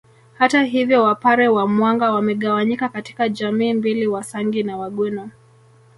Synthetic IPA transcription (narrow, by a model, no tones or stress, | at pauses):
hataɦivjɔwapaɾɛwamwaŋɡawamɛɠawaɲikakati̥kaʄamiːmbiliwasaŋɡinawaɠwɛnɔ